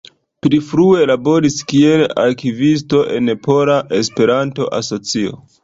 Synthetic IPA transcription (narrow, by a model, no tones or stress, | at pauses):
plifɾue̞labo̞ɾiskie̞la̰ɾkivis̬to̞ʔe̞npʰo̞ɾaʔe̞spe̞ɾanto̞̰ʔa̰so̞t͡sio̞̰